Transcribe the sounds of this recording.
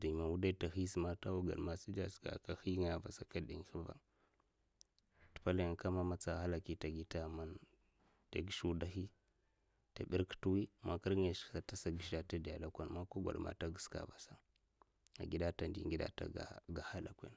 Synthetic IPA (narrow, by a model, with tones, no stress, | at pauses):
di˨ma˨wu˦da˦ta˨xi˦sma˦ta˦wu˦ɡa̰˨ɗma˨si˦d͡ʒa˦ska̰˨ka˨xi˦ŋ˦a˨va̰˨sa˨ka˦di˨ŋ˦xi˦va̰˦ | ti̥˨pa˦la˦jŋ˨ka˦ma˦ma˦t͡sa˨xa˦la˨ki˦ta˨ɡi˦ta˦ma˦n | ta̰˨ɡi˦ʃu˦da˦xi˦ | ta˨ɓi˦ɾktu˦wi˦ma˨ki˦ɾŋe˨ʃsa˨ta˦sa˨ɡi˨ʃa˨ta˦di˨a˨la˦kʷa˨nma˦kʷa˦ɡʷa̰˨ɗma̰˨ta˦ɡi˨ska̰˨va˨sa˦ | a̰˨ɡi˦da˦ta˨ndḭ˨ŋɡi˦da̰˦ta̰˨ɡa̰˨ɡa˨ha˦la̰˨kʷḛ˦n